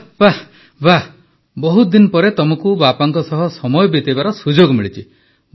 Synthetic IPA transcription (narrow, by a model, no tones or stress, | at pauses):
ba | ba | bɔɦut̪d̪inɔpɔɾet̪ɔmɔkubapaŋkɔsɔɦɔsɔmɔjɔbit̪ibaɾɔsud͡ʒoɡmiɭit͡ʃʰi